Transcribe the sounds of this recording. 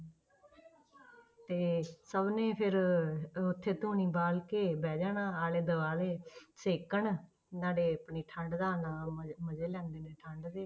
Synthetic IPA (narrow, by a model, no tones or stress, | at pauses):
t̪eːsəbnẽːpʰɪɾ | ʊt̪ʰːeːt̪uːniːbaːlkeːbɛːd͡ʒaːnãːaːleːd̪əʋaːleːseːkəɳ | naːɖeːəpɳiːʈʰə̃ɳɖd̪aːnaːməd͡ʒeːlɛ̃ːnd̪eːneːʈʰəɳɖd̪eː